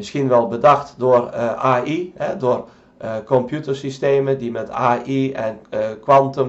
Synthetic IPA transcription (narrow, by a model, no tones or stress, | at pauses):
mɪskinʋɛlˠbədaxtdʊərʔaːʔihɛdʊər | kɔmpʰjutərsisteːmədimɛtaːʔiɛnkwantəm